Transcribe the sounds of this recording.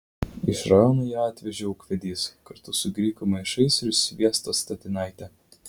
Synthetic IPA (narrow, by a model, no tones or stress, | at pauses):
ɪʃɾɑjoːnojɛːɑːt̪ʲʋʲɛʒʲɛʊːkʋʲɛd̪ʲiːskɐɾt̪ʊsʊɡɾʲiːkʊmɐɪʃɐɪsʲɾʲʊsʲʋʲiɛst̪ost̪ɐt̪ʲɪnɑˑɪt̪ʲɛ